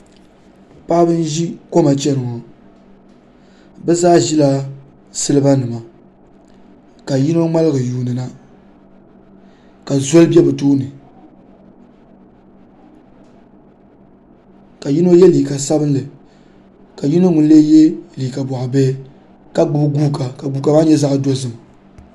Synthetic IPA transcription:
pa˦ʔbɨ˦n̩˦ʒi˦ko˦ma˨t͡ʃɛ˦nɨ˨ŋɔ˨ | bɛ˦zaː˦ʒi˦la˦ | sɨ˦lɨ˦ba˦nɨ˨ma˨ | ka˨ji˦no˦ŋ͡ma˦lɨ˦ɡɨ˨juː˨nɨ˨na˨ | ka˨zo˦lɨ˦bɛ˦bɨ˨toː˦nɨ˨ | ka˨ji˦no˦jɛ˦liː˨ka˨sa˦bɨ˦nlɨ˨ | ka˨ji˦no˦ŋʊ˨n˦leː˦je˦liː˨ka˨bɔ˨ʔbe˦ | ka˦ɡ͡bʊ˨bɡuː˦ka˨ka˨ɡu˨ka˨maː˦ɲɛ˦za˦ʔdo˦zɨ˨ma˨

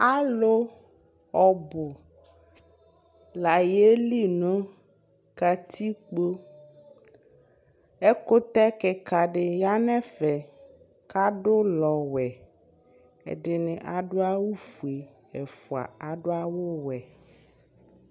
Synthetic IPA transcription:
a˦lo˦ | ɔ˨bʊ˨ | la˨je˦li˦nõ˦ | ka˨t̪ʰi˦k͡po˦ | ɛ˦ko˦t̪ɛ˦kɛ˨ka˨ɖɪ˨ja˦nɛ̃˦fɛ˨ | ka˦ɖʊ˦lɔ˨wɛ˨ | ḛ˨ɖɪ˨nɛ˨ʔa˨ɖo˦a˦wu˦fu˨e˨ | ɛ˨fu˨a̰˨a˨ɖo˦a˦wo˦wɛ˨

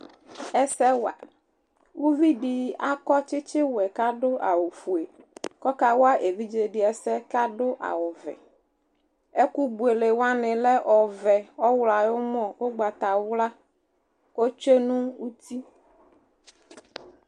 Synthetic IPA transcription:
ɛ˦sɛ˦wa̰˨ | wu˦vi˦ɖi˨a˦kɔ˦t͡ʃɪ˦t͡ʃɪ˦wɛ˨ka˦ɖʊ˦ʔa̰˨wo˨fu˨e˨kɔ˦ka˦wa˦ʔe˨vi˦d͡ʒe˨ɖɪ˦ɛ˨sɛ˦ka˦ɖʊ˦ʔa̰˨wʊ˨vɛ̰˨ | e˦ku˦bu˨e˨le˨wa˦nɪ̃˨lɛ˦ʔɔ˨vɛ˨ɔ˦wla˨wo˦mɔ̃˦wo˦ɡ͡ba˨t̪a˨wʊ˦la˦ | wo˦t͡ʃe˦nũ˦wu˦t̪i˦

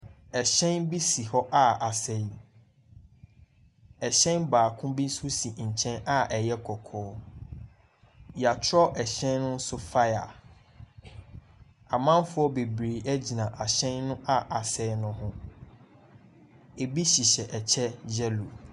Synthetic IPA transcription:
ɛ˨ɕɛ̃˦nbi˦si˨hɔ˦ʔa˦a˨sɛ˦˨˦ | ɛ˨ɕɛ̃˦nbaː˨kʰʊ̃˦bi˦n̩˦su˦si˨ɲ̩˨t͡ɕʰɛ̃˦na˨ʔɛ˨jɛ˦kʰɔ˨kʰɔː˦ | ja˨t͡ɕʰɔ˦ʔɛ˨ɕɛ̃˦nːʊ̃˦n̩˦sʊ˦fa˦ja̰˨ | a˨mã˦n˦fʊ˦ɔ˦be˨bɾeː˨ʔɛ˦d͡ʑi˨nã˨ʔa˨ɕɛ̃˦nːʊ̃˦ʔa˦ʔa˨sɛ˦nʊ̃˦ɦʊ̃˦ | e˨bi˦ɕi˨ɕɛ˨ʔɛ˨t͡ɕʰɛ˦d͡ʑɛ˦lu˨

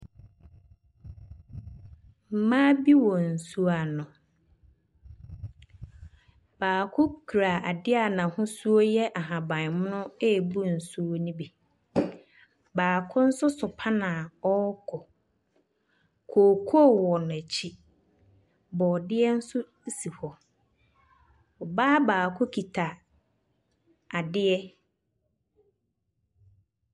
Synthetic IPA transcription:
m̩˨mãː˦bi˦wɔ˨n̩˨su˦a˨nʊ̃˨ | b̥aː˨kʰʊ˦kʰu˨ɾa˨ʔa˨dɪ˦a˨nã˨hʊ̃˦su˦o˦jɛ˦ʔa˨ɦã˨bã˨n˨mʊ̃˦nʊ̃˦e˦˨bu˦n̩˨su˦o˦nĩ˦bi˨ | baː˨kʰʊ˦n̩˦sʊ˦sʊ˨pʰa˦nã˨ɔ˦kʰɔ˨ | kʰoː˨kʰo˦˨wɔ˨nʊ̃˨æ˨t͡ɕʰi˦ | bɔː˨dɪ˦ɛ˦n̩˦sʊ˦si˨hɔ˨ | ɔ˨baː˦baː˨kʰʊ˦kʰi˨tʰa˨ | a˨dɪ˦ɛ˦

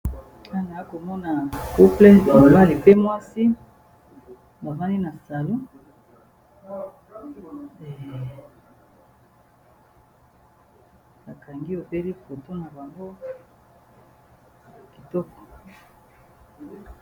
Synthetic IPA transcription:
a˦˨na˨ja˦ko˨mɔ˦na˨ku˦ple˦a˨o˨ba˦li˨pe˦mwa˦si˦ | ba˨za˦ni˦na˨sa˨lo˦ | e˨ | ba˨ka˨ŋɡi˦o˨be˦li˦ko˨to˦na˨ba˨ŋɡo˦˨ | ki˨tɔ˦kɔ̥˨

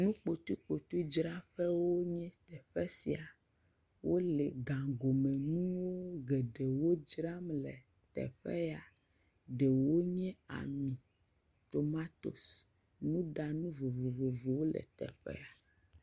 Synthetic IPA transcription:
nũ˦k͡po˨t̪u˦k͡po˨t̪u˦d͡ʒɾa˦ɸɛ˦wo˦ɲɛ̃˦t̪ɛ˨ɸɛ˦si˨a˨ | wʔo˦lɛ˨ɡã˨ɡo˨mɛ˨nũ˦wo˦ɡɛ˨ɖe˨wo˦d͡ʒɾa˦mlɛ˨ | t̪ɛ̰˨ɸɛ̰˦ja˨ | ɖɛ˨wo˦ɲɛ̃˦a̰˨mĩ˨ | t̪o˨ma˦t̪o̰˨s | nũ˦ɖa˨nũ˦vo˨vo˨vo˨vo˨wo˦lɛ̰˨t̪ɛ̰˨ɸɛ̰˦a˨

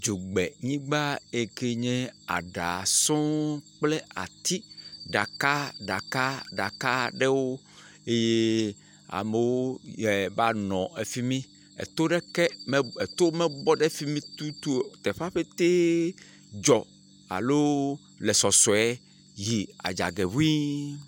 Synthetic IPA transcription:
d͡ʒo˨ɡ͡bɛ˨ɲĩ˦ɡ͡ba˦e˨ke˦ɲẽ˦a̰˨ɖa˨sɔ̃˦k͡ple˦a̰˨t̪i˦ɖa˨ka˦ɖa˨ka˦ɖa˨ka˦ɖɛ˦wo˦ | e˦je˦ | a̰˨me˨wo˦ɛ˨ba˦nɔ̃˨e˨fi˦mĩ˦ | ḛ˨t̪o˦ɖe˦kɛ˦me˦e˨t̪o˦me˦bɔ˦ɖe˦fi˦mĩ˦t̪u˦t̪u˦o˨t̪e˨ɸa˦ɸe˦t̪e˦ | d͡ʒɔ˨ | a̰˨lo˦ | le˨sɔ˨sɔ˨ɛ˦ | ji˨a̰˨d͡ʒa̰˨ɡe˨βu˦i˦

